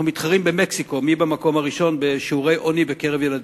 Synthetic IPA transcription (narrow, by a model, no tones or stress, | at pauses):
umit̪χaʁimbe̞meksiko̞mibamako̞maʁiʃo̞nbe̞ʃiuʁe̞jʔo̞nibekeʁe̞vjelad̪